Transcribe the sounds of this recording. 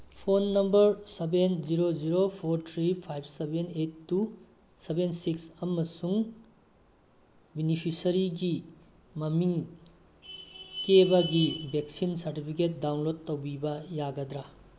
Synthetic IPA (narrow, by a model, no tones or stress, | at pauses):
pʰonːɐmbɐɾsebend͡ʒiɾoziɾopʰoɾtʰɾipʰajb̚ʰsebenetːu | sebensiksɐmɐsuŋ | binipʰisɐɾiɡi | mɐmiŋ | kebɐɡibʱek̚sinsɐɾtipʰiket̚dawnlod̚tːɐwbibɐjaɡɐdɾa